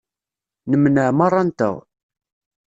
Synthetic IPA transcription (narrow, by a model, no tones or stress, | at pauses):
nəmnəʕmɑrˤːɑnt̪ə̰ʁ